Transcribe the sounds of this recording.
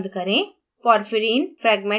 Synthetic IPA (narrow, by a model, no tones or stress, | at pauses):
nd̪ɯkɐɾẽː | pɔːɾfɪɾiːnfɾɛːɡmɛ